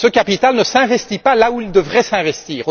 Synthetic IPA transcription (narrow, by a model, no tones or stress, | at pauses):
səkʲapit̪alnəsɛ̃vɛst̪ipalauild̪əvʁɛsɛ̃vɛst̪iːʁo